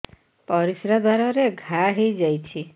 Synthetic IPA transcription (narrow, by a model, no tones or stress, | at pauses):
pɔɾisɾad̪ʱaɾɔɾeɡʱaɦid͡ʒajt͡ʃʰi